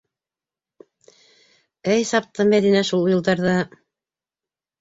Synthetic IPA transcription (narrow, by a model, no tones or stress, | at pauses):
ɘjsɑp̚t̪ɤmæðinæʃulˠujɤ̆lˠd̪ɑɾðɑ